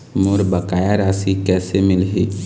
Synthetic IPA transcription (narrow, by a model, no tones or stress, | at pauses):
mʊɾbɐkaːjaɾaːsikɛːsemɪlɦiː